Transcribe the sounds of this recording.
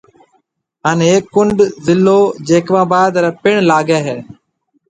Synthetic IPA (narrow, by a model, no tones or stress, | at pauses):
ɦaːneeːkːʊɳɖzɪlːoːd͡ʒeːkʋãːbaːd̪ɾɛːpɪɳlaːɡeːɦeː